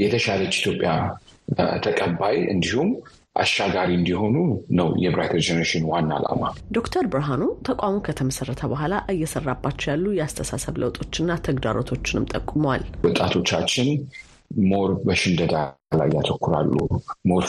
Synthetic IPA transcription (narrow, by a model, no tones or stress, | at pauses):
jɛt̪ʰəʃalət͡ʃːit̪ʰjopʼja | t̪ʰəkʼəbːajɨ̰nd̪ihum | ʔa̰ʃaɡaɾiɨnd̪iɦo̞nunəwjɛbɾat̪ʰəɾd͡ʒɛnəɾeʃɪnwanːaa̰la̰mad̪o̞kt̪ʰəɾbɾəɦanut̪ʰəkʷʼamokʰət̪ʰəməsərːət̪ʰəbəɦʷalaʔɨjːɛsərːabːat͡ʃːɛjalːujɛast̪ʰəsasəβlə̰wt̪ʼo̞t͡ʃːɪnːat̪ʰəɡd̪aɾo̞t̪ʰo̞t͡ʃːɪnɨmt̪ʼəkʼːuməwalwɔt̪ʼat̪ʰo̞t͡ʃːat͡ʃːɪn | moɾbəʃɪnd̪əd̪ala̰jːat̪ʰəkːuɾa̰lːṵmoɾ